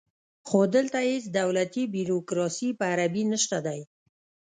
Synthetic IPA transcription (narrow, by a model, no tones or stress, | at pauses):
xod̪əlt̪aɪsd̪awlat̪ibiɾokɾɑsipəaɾabinəʃt̪ad̪aj